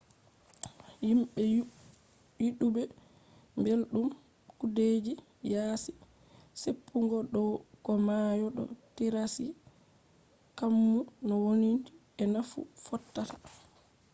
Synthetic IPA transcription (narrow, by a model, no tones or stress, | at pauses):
jimɓɛ | jiɗubɛ | mbelɗum | kuded͡ʒi | jaːsi̥ | sepʰːuŋɡɔɗɔkɔmajɔɗɔ̰tiɾasi | kamːunɔwonindi | ɛnafṵfɔtːatḁ